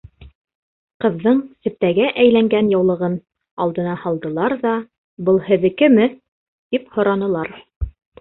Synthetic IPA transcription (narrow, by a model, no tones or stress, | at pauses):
qɤ̆ðːɤɴsɘ̆p̚t̪æɡæʔæjlæŋɡænjɑwlˠɤ̆ʁɤn | ɑlˠd̪ɤ̆nɑhɑlˠd̪ɤ̆lˠɑɾðɑ | bɤlˠhɘ̆ðɘ̆kɘmɘ | t̪iphŏɾɑnɤ̆lˠɑɾ